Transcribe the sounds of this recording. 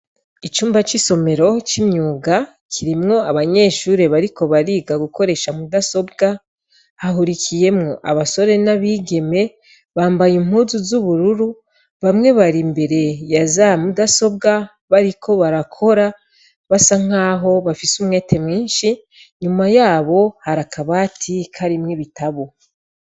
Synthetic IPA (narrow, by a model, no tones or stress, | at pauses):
it͡ʃuːmbat͡ʃiso̞me̞ɾo̞t͡ʃimɲuːɡa | kʰiɾimŋo̞aβaɲe̞ːʃuːɾe̞βaɾiko̞βaɾiːɡaɡuko̞ɾe̞ʃamudaso̞b̚ɡa | haɦuɾikʰije̞mŋo̞ʔa̰βaso̞ɾe̞naβiːɡe̞me̞ | βaːmbajim̥huzuzuβuɾuɾu | βamŋe̞βaɾimbe̞ɾe̞jazamudaso̞bɡa | βaɾikʰo̞βaɾakʰo̞ɾa | βasaŋ̥aːɦo̞βafisumŋe̞ːtʰe̞mŋiːnʃi | ɲumajaːβo̞haɾakaβaːtʰikʰaɾimŋeβitaβo